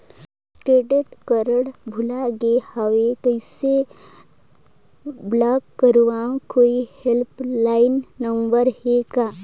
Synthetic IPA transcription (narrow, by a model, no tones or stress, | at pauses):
kɾeːɖeʈkəɾəɽbʱʊlaɡehawet̪oɪse | blaːkːəɾʋãkoːihelplaːɪnːə̃mbəɾheɡaː